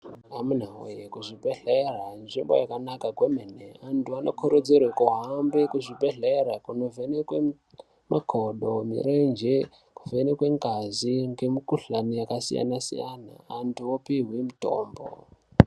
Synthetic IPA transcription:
amun̤ao̰jekuʐibʱeɮeranʐimbo̞̰jakanakakwemeneantuanokʰoɾod͡zerwekuɦambekuʐibʱeɮeɾakunovenekwe | makʰoɗomḭrend͡ʒe | kuvenekweŋɡaziŋɡemikuɬanijakasḭja̰nasḭjana̰ːntuopiɦwimito̰ːmbo̰

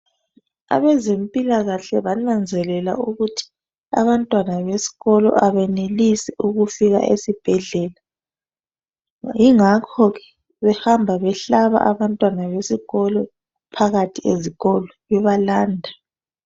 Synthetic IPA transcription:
a̰βezempʼilaɣaɬɛβanand͡zʱɛlɛla̰uɣutʰi̥ | a̰βantʼwanaβesi̥ɣɔlɔ̰ʔaβɛnelisɛuɣufiɣa̰ʔḛsib̥ʱɛɮɛːla | jiŋakʰɔɣɛ | βɛhambʱaβɛɬaβa̰ʔaβantʼwanaβesiɣɔlɔ | pʰaɣatʰieziɣɔlɔβɛβalaːndʱa

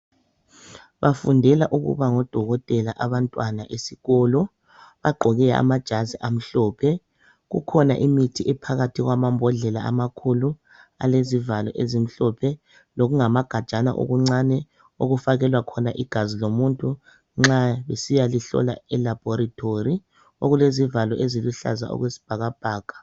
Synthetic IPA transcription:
βafundʱɛlaʔuɣṵβaŋɔd̥ʱɔɣɔtʼɛlaʔaβantʼwanaʔesiɣɔːlɔ | βaɡ͡ǃʱɔɣɛa̰mad̥ʒ̥ʱaziʔam̩ɬɔːpʰɛ | ɣṵkʰɔna̰ʔimitʰiʔɛpʰaɣatʰiɣwamambʱɔɮɛla̰amakʰulu | a̰lezivalɔ̰ʔezim̩ɬɔpʰɛ | loɣuŋamaɡ̥ʱad̥ʒ̥ʱana̰ʔo̰ɣuŋ͡ǀanɛ | oɣufaɣɛlwakʰɔnaʔiɡ̥ʱazilomuntʼu | ŋ͡ǁaβesijaliɬɔ̰la̰ɛlab̥ʱɔɾatʰori | oɣulezivalɔʔeziluɬa̰za̰ɔ̰ɣwesi̥b̥ʱaɣab̥ʱaːɡ̥ʱḁ

